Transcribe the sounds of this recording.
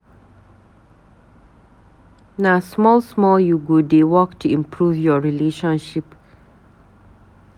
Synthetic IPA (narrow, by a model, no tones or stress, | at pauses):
nasmɔlsmɔljuɡodewɔktʰuĩmpʰɹuvjɔɹileʃɔ̃nʃip